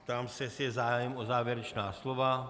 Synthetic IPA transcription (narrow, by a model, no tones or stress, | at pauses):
pt̪aːmsɛsjɛzaːjɛmʔozaːvjɛɾɛt͡ʃnaːslo̞va